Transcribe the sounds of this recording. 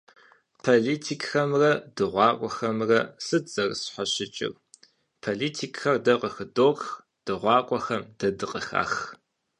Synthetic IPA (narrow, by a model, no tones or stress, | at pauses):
pʰoːliːtʰikʼxɐmrɐd̥ɨʁʷɑːkʷʼɔxɐmrɐsɨt͡sʼɐrsħaɕɪt͡ʃʼɪ̰r | pʰoliːtʰikʰʼxɐrdɐqəxɨdoːrx | d̥ɨʁʷɑːkʷʼɔxɐmd̥ɐdɨqʼəxa̰ːx